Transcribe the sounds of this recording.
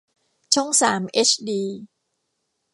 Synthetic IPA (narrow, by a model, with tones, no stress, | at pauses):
t͡ɕʰu˥˩ŋsaː˩˦mʔe˦˥t͡ɕʰdiː˧